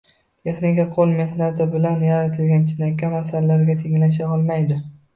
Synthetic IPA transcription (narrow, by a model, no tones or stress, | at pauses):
t̪ʰe̞χnɪkʲaqʰolˠme̞hnat̪ʰɪbɪlanjaɾat̪ʰɪlɡʲant͡ʃʰɪnakʲːamasalalaɾɡʲat̪ʰeŋlaʃ̬aɒlˠmajd̪ɪ